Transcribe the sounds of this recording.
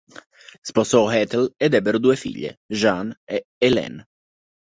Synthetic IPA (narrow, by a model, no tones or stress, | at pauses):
spɔsɔhɛt̪elɛd̪ɛbeɾud̪uefḭʎːḛʒanɛlɛ̰n